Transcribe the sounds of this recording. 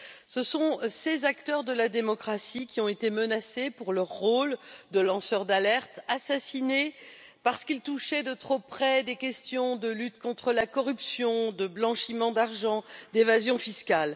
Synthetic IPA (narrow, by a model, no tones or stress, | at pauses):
səsɔ̃sezakt̪œʁd̪əlad̪emɔkχasikʲiɔ̃et̪emənasepuʁlœʁːold̪əlɑ̃sœʁd̪alɛʁt̪asasinepaʁsə̥kilt̪uʃɛd̪ət̪χopχɛd̪ekʲɛst̪jɔ̃d̪əlyt̪kɔ̃t̪χəlakɔʁypsjɔ̃d̪əblɑ̃ʃimɑ̃d̪aʁʒɑ̃d̪evazjɔ̃fiskal